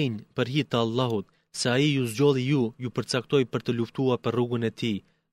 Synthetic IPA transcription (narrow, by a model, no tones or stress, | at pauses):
iɲpəɾɦit̪aalˠːɑɦut̪ | sɛaijuzd͡ʑɔlˠijujupəɾt͡sak̚t̪ɔjpəɾt̪əluft̪uaɾpəruɡunɛt̪i